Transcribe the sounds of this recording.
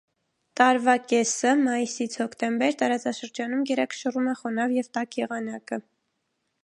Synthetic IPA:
t̪ɑɾvɑkɛsəmɑjisit͡sʰhɔkʰt̪ɛmbɛɾt̪ɑɾɑt͡sɑʃəɾd͡ʒɑnumjɛɾɛkʰʃərumɛχɔnɑvjɛvt̪ɑkjɛʁɑnɑkə

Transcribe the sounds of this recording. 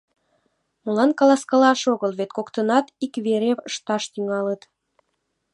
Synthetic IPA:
mulɑnkɑlɑskɑlɑʃoɣəlβet̪̚kokt̪ənɑt̪ikβeɾevəʃt̪ɑʃt̪yŋɑlət̪

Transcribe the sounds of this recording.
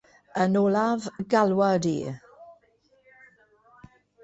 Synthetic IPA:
ənɔlavɡalwadḭː

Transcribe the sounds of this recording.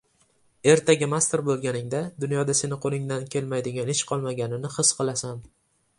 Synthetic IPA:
e̞ɾt̪ʰaɡʲɪmast̪eɾbolˠɡʲanɪŋd̪ad̪ʊnjɒd̪ase̞nɪqʰolˠɪŋd̪ankʲʰe̞lmajd̪ɪɡʲanɪʃqʰɒlˠmaɡʲanɪnɪhɨsqʰɨlˠasam

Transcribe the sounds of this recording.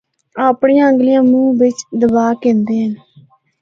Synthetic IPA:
aːpɳijãːəŋɡlijãːmũːʋɪt͡ʃd̪əbaːkẽːnd̪eːɦən

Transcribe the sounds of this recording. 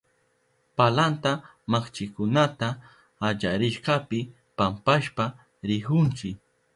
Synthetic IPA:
palant̪a | maχt͡ʃɪkʊnat̪aː | d͡ʒaɾɪʃqɑpɪ | pampaʃpa | ɾɪhʊnt͡ʃɪk

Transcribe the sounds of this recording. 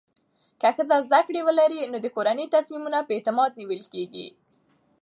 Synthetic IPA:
kaxəzazd̪akɽewəlaɾinod̪əkoɾanəjt̪asmimunapəet̪ɪmɑd̪̚niwəlkeɡḭ

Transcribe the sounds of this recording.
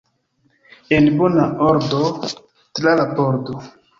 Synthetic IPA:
enbonaoɾdo | tɾalaboɾdo

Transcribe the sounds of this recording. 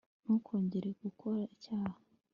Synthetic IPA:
nukʰo̞ːɲɟeɾe̞ɡ̥ukʰo̞ɾaicaːha

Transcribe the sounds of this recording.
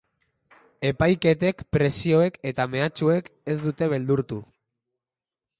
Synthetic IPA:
e̞pajke̞t̪e̞kpɾe̞sio̞e̞ke̞t̪ame̞at͡ʃue̞ke̞zd̪ut̪e̞βe̞ld̪uɾt̪u

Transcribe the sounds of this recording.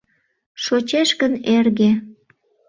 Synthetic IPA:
ʃot͡ɕeʃkənerɣe

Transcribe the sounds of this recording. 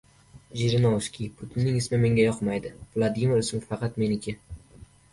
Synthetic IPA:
ʒiɾɪnoʃkʲipʰʊt̪ʰɪnːɪŋɪsmɪme̞ŋɡʲajɒqmajd̪ɪvlˠad̪imɪɾʊsɪŋfɑqʰɑt̪me̞nɪkʲʰɪ

